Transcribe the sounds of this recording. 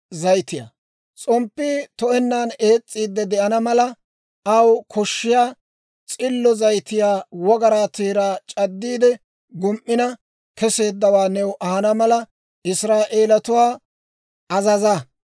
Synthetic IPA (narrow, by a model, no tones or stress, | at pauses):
zɐjt̪ɪja̰ | t͡sʼɔmpːɪt̪ɔɛnːane̞ːt͡sʼːiːd̪ːɛd̪ɛʔɐnɐmɐlɐ | ɐwkʰɔʃːɪjaː | t͡sʼɪlːɔzɐjt̪ɪjaːwɔɡɐɾaːt̪eːɾaːt͡ʃʼɐd̪ːiːd̪ɛ | ɡʊmʔːɪnɐ | kɛse̞ːd̪ːɐwaːnɛwʔɐhɐnɐmɐlɐ | ɪsɾaːʔe̞ːlɐt̪ʊwaː | ɐzɐzɐ